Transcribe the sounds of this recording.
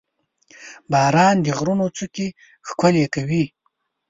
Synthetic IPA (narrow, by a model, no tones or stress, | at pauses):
bɑːɾɑːnd̪əɣɾunot͡suke | xkʊlekawi